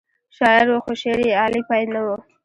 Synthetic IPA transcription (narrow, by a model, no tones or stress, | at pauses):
ʃɑɪɾwoxoʃeɾiɑlipɑjd̪nawu